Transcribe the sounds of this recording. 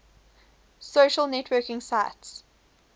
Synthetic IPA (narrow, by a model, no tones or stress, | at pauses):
soʃəlnɛtʰwɜːˑkɪ̃ŋsaɪts